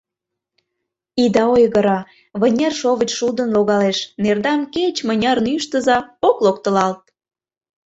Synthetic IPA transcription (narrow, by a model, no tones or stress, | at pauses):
id̪ɑojɣəɾɑ | βə̆nʲerʃoβət͡ɕʃud̪ə̆nloɣɑleʃnerd̪ɑmket͡ɕmə̆nʲɑrnyʃt̪əzɑoklokt̪ə̆lɑlt̪̚